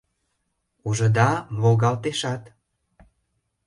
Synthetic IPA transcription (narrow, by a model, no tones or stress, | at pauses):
uʒə̆d̪ɑmolɣɑlt̪eʃɑt̪